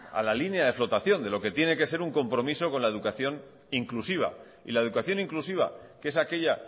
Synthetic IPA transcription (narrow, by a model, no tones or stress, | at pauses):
a̰lalinjaðe̞flo̞t̪aθjo̞nd̪e̞lo̞ke̞t̪je̞ne̞ke̞se̞ɾuŋko̞mpɾo̞miso̞ko̞nlae̞ðukaθjo̞n | iŋklusiβ̞a̰ | ḭlae̞ð̞ukaθjo̞niŋklusiβ̞a̰kee̞sake̞ʎa